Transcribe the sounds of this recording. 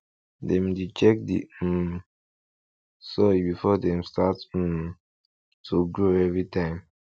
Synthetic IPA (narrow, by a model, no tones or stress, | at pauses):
dɛ̃mdit͡ʃɛk̚dḭ | sɔibifɔdɛ̃mstat̩ː | tʰuɡɹoɛvɹitʰãɪ̃m